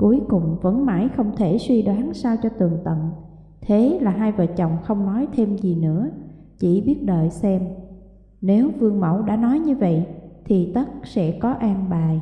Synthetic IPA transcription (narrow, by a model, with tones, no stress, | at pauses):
ku˨˦əjkʊ˨˩ŋ͡mvə̰˧˥nma̰ː˧˩jxə˧wŋ͡mt̪ʰe˧˩swi˧ɗwaː˨˦nsaː˧wt͡ɕɔ˧t̪ɨ˨˩əŋt̪ə̰˧˨n | t̪ʰe˨˦laː˨˩ɦaː˧jvəː˨˩t͡ɕə˨˩wŋ͡mxə˧wŋ͡mnɔ˨˦jt̪ʰe˧mzi˨˩nɨ̰˧˥ə | t͡ɕḭ˧˩ɓi˦˥ət̚ɗəː˧˨jsɛ˧m | ne˨˦wvɨ˧əŋmə̰˧˥˩wɗa̰ː˧˥nɔ˨˦jɲɨ˧və̰˧˨jt̪ʰi˨˩t̪ə˦˥t̚sɛ̰˧˥kɔ˨˦ʔaː˧nɓaː˨˩j